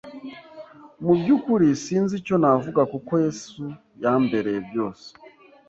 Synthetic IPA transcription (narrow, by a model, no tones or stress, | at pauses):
mubjukuɾisiːnzico̞navuɡakokojesu | jambe̞ɾebjo̞ːse̥